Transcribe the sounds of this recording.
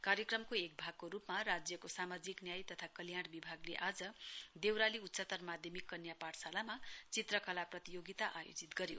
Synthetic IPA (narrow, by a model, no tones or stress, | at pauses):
kaɾjʌkrʌmkoek̚bʱaɡ̚koɾupmarad͡zjʌkosamad͡ziknjajt̪ʌt̪ʰakʌljaɽ̃bibʱaɡleʔad͡zʌd̪ewɾaliut̪ːsat̪ʌrmad̪ʱjʌmikːʌnjapaɽsalamat͡sit̪rʌkʌlaprʌt̪ijoɡit̪aʔajo̰d͡zit̪ɡʌɾjo̰